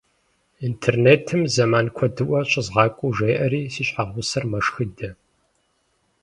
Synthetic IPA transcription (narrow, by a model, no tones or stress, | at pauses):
intʰeːrneːtʰɨmzɐmaːnkʷʰɔdɨʔʷɐɕʼɪzʁɑːkʷʼuʒeːjʔɐɾiːsiːɕħaʁʷʊsɐrmɐʂxidɐ